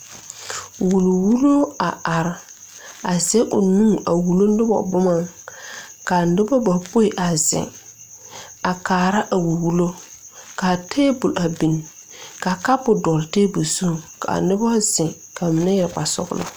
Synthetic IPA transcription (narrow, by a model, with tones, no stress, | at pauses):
wu˨lwu˦lo˦a˨a˨ɾɪ˦ | a˨zɛ˦ʔʊ˨nũ˦a˨wu˨lo˦n˦ɪ˦bɔ̰˨bʊ˦ma˦ŋ | ka˨nɪ˦bɔ˦ba˨bo˦i˨ʔa˨zɪ̰˨ | a˨kaː˨ɾa˦ʔa˨wu˨wu˦lo˦ | ka˨tʰeː˦bʊ˨la˨bi˨ni˨ | ka˨ka˦pʊ˨dɔ˨lteː˦bʊ˨su˦˨ka̰˨nɪ˦bɔ˦z̥ɪ˨ | ka˨mɪ˨nɛ˦jɛ˨ɾk͡pa˨sʊ̰˦ɡʊ̰˦lɔ̰˨